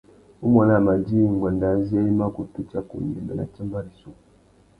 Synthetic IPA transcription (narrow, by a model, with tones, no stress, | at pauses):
u˦ma˨na˦˨ma˨d͡ʒi˦˨ŋ˨ɡwa˨nda˨˦zi˦a˦i˦ma˦ku˨tu˦t͡ʃa˨kṵ˨n˨i˨mba˨na̰˨t͡ʃa˦mba˦ɾi˨su˦˨ku˨